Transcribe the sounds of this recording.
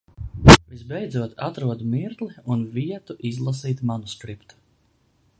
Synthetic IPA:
vizbɛjd̪zuɔt̪at̪ɾuɔd̪miɾk̪lˠiunviɛt̪uʔizlˠasiːt̪manuskɾipt̪u̥

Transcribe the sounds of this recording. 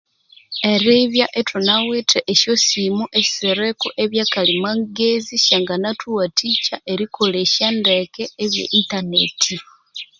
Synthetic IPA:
eɾiβjaʔetʰunawetʰeʔeʃjosimuʔesi̥seɾekoʔeβjaːkalimaŋɡeziʃaŋɡanatʰuwatʰiːt͡ʃaʔeɾikʰo̞leʃandekeːβjḛʔintanetʰi

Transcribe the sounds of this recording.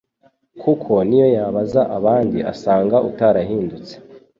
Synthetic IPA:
kʰukʰo̞nijo̞jaβazaʔaβaːndia̰saːŋɡaʔutaɾaɦiːndut͡se̥

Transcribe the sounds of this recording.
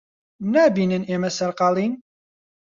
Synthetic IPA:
næbinənemæsəɾqɑlˤin

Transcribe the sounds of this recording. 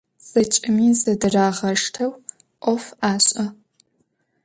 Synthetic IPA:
z̥ɐt͡ʃʼɪmiːzɐdɨraːʁɐʂtʰɐw | ʔʷɔfaːɕʼɐ

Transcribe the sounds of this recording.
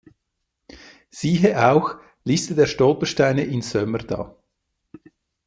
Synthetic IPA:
z̥iːɦəʔaʊx | listədeːʃtɔlpəʃtaɪnəʔɪnsœməd̥ɑ̰ː

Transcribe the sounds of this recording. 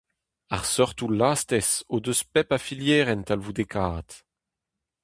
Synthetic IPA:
a̰ʁsɔʁt̪ulaːst̪ɛsod̪øspɛpafiljɛːʁɛnt̪alvud̪ekʰaːt̪

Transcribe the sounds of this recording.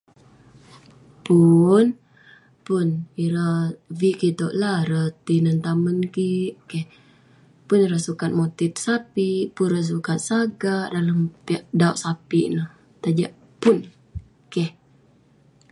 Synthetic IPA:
pun | pʊniɾaviʔkit̪oʔlaɾət̪inənt̪amənkiʔkɛh | pʊniɾasukat̪̚mot̪itsapiʔpunrəs̬ukat̪̚saɡaʔdalampiaʔdauʔsapiʔnəh | t̪ad͡ʒaʔ | pʊn | kɛh

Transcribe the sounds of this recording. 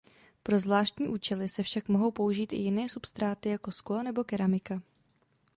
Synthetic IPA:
pɾo̞zvlaːʃt̪ɲiːʔuːt͡ʃɛlɪsɛfʃakmoɦo̞wpo̞uʒiːt̪ʔɪ̰jɪnɛːsupst̪ɾaːt̪ɪjako̞sklo̞nɛbo̞kɛɾamɪka

